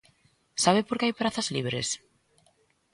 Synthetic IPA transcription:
saβɪpoɾkɪajpɾaθɐzliβɾḛs

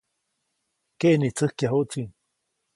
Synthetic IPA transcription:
keʔnit͡səhkjaɦoʔt͡siŋ

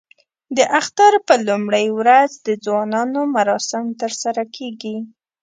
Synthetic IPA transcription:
d̪əʔaxt̪aɾpəlumɽəjwɾazd̪əd͡zwɑnɑnomaɾɑsɪmt̪əɾsaɾakʰeɡi

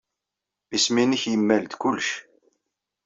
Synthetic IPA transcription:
isminəçjəmːælt̪kʊlʃ

